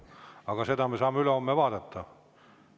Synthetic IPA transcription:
ɑɡ̥ɑse̞d̪ɑmesɑːmːeyleo̞mːevɑːd̪et̪ːɑ

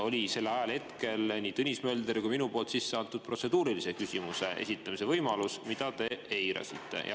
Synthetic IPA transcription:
o̞lʲise̞lːɑjɑlhe̞t̪ke̞lniːt̪unʲisme̞ːld̪̥eɾkujminupo̞ːlt̪sisːeɑnt̪ːˑud̪̚pro̞t̪se̞d̪uːɾilise̞kysʲimuse̞ʔe̞̰sit̪ːˑɑmise̞vɤjmɑlusmid̪̥ɑt̪e̞ejɾɑ̰sit̪ːe̞̰jɑ̰

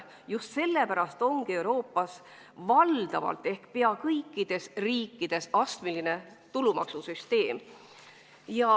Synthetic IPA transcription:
just̪se̞lːepæɾɑst̪o̞ŋɡie̞uwɾo̞ːpːˑɑs | vɑld̪̥ɑvɑ̰lt̪ːˑe̞hkpe̞ɑkɤjkːˑid̪̥e̞sriːkːˑid̪̥e̞sɑst̪miline̞t̪ulumɑ̰ksusyst̪e̞ːm | jɑ

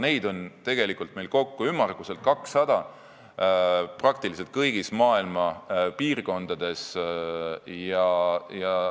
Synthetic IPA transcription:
ne̞jd̪o̞nt̪e̞ɡ̥e̞likːˑult̪̚me̞jlko̞kːuymːɑrɡ̥use̞lt̪̚kɑksːɑd̪̥ɑ | prɑk̚t̪ilis̬elt̪̚kɤjɡ̥ismɑːilmɑpiːrko̞nd̪̥ɑd̪̥e̞s | jɑjɑ

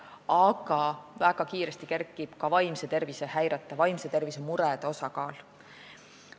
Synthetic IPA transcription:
ɑɡ̥ɑvæɡ̥ɑkiːɾest̪ikerkːˑib̥kɑvɑjmse̞t̪e̞rvise̞hæjɾɑt̪ːˑɑvɑjmse̞t̪e̞rvisemuɾɛd̪̥o̞sɑkɑːl

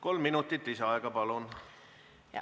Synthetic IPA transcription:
ko̞lmːinut̪ːˑit̪ːˑiseɑeɡ̥ɑpɑlun | jɑ̰

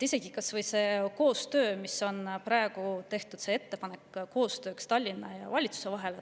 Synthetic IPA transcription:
ise̞ɡ̥ikɑsvɤjse̞ːko̞ːst̪ø̞ːmiso̞nprɑeɡ̥ut̪e̞ht̪ud̪̥see̞t̪ːe̞pɑne̞kːkːo̞ːst̪ø̞ːkst̪ɑlʲːinːɑjɑ̰vɑlʲit̪su̥se̞vɑɦe̞l

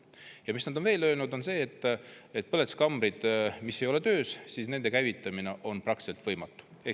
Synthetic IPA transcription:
jɑmisnɑd̪ove̞ːlø̞ːlnud̪o̞nse̞ːt̪ːˑet̪̚pɤlet̪u̥skɑmbɾid̪̥mise̞jo̞le̞t̪ø̞ːssiːsne̞nd̪e̞kæjvit̪ːˑɑmine̞ʔo̞nprɑkt̪selt̪vɤ̞jmɑt̪ːˑu̥e

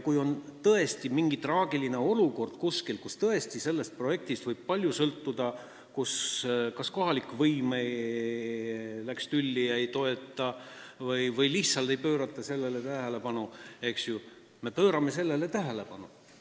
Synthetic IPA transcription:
kujo̞nt̪ɤe̞st̪imiŋɡ̥it̪rɑːɡ̥iline̞o̞luko̞rd̪̥kuskilkust̪ɤe̞st̪ise̞lːe̞st̪̚pro̞je̞k̚t̪ist̪vɤjb̥̚pɑlʲjusɤlt̪ːud̪̥ɑ | kuskɑsko̞ɦɑlikːvɤjme | lækst̪ylʲːiɑejt̪o̞e̞t̪ˑːɑvɤjvɯjliçt̪sɑlt̪ejpø̞ːɾɑt̪ːˑɑse̞lːelet̪æɦele̞pɑnue̞ksju | me̞pøːɾɑme̞se̞lːe̞le̞t̪æɦele̞pɑnu

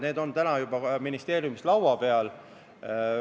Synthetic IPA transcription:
ne̞ːd̪o̞nt̪ænɑjubɑminist̪e̞ːɾjumislɑwɑpe̞ɑl

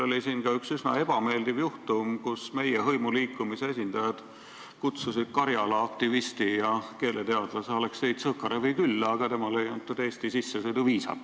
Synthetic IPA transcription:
o̞lʲisiːnkɑyksysnɑ̰e̞b̥ɑme̞ːld̪ivjuht̪umkusme̞jeɦɤ̞jmuliːkːˑumiseesʲind̪̥ɑjɑd̪̥ | kut̪susid̪̥̚kɑɾjɑlɑɑk̚t̪ivist̪ijɑke̞ːlet̪eɑd̪̥lɑsole̞kstejd̪sɤkːˑɑɾevɯjkylːɑɡ̥ɑt̪e̞mɑle̞jɑnt̪ːˑud̪̥e̞ːst̪isisːesod̪uviːsɑ̰

